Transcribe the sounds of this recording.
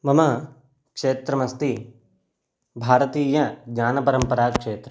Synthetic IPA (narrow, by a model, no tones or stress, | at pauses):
mɐmɐ | kʂeːt̪ɾɐmɐst̪i | bʱaːɾɐt̪iːjɐd͡ʒaːnɐpɐɾɐmpɐɾaːkʂeːt̪ɾɐ